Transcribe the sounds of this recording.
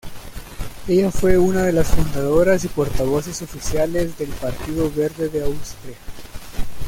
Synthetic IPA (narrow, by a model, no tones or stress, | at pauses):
e̞ʝafwe̞unað̞e̞lasfund̪aðo̞ɾasipo̞ɾt̪aβ̞o̞se̞so̞fisjale̞zðe̞lpaɾt̪iðo̞βe̞ɾðe̞ðeawst̪ɾia